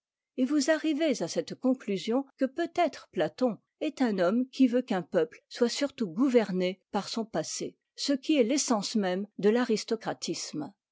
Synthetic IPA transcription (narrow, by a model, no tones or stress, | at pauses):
evuzaʁivezasɛt̪kɔ̃klyzjɔ̃kəpøt̪ɛt̪χəplat̪ɔ̃ | ɛt̪ɛ̃nɔmkʲʰivøkɛ̃pœplswasyʁt̪uɡuvɛʁnepaʁsɔ̃pasḛ | səkʲiɛlesɑ̃smɛmd̪əlaʁist̪ɔkχat̪ʰism